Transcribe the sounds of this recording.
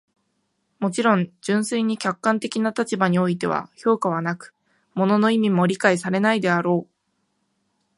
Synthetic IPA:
mo̞t͡ɕiɾõ̞ɲd͡ʑɨ̃ɰ̃sɨiɲ̟ikʲakːãnt̪e̞kʲinat̪at͡ɕibaɲ̟io̞it̪e̞̰β̞a̰ço̞ːkaβ̞anakɯ̟̥ | mo̞no̞no̞imʲimo̞ɾʲikaisaɾe̞naid̪e̞aɾo̞ː

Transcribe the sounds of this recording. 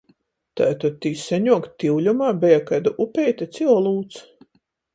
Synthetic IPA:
t̪a̰ːt̪ad̪̚t̪iːsɛɲuɔkt̪iwlʲumaːbɛjakajd̪uʔupʲɛjt̪at̪sʲiɔlˠuːt̪s

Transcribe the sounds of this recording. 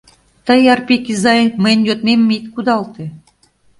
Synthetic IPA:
t̪əjɑrpikizɑjməjnʲjot̪̚memːit̪kud̪ɑlt̪e

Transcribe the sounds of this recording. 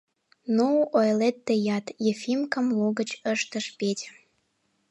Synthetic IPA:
noʔojlet̪ːejɑt̪jefimkə̆mluɣət͡ɕəʃt̪əʃpetʲ

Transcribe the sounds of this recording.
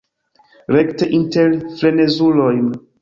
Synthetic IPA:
ɾekteʔinteɾfle̞ne̞zulo̞jn

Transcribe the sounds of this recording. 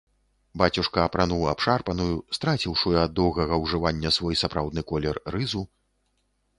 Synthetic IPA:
bat͡sʲuʂkɐːpɾanuwapʂarpɐnujust̪ɾat͡sʲiwʂujɐɐd̪ːɔwɣɐɣɐwʐɨvanʲːɐsvɔjsapɾawd̪̚nɨkɔlʲɛrːɨzu

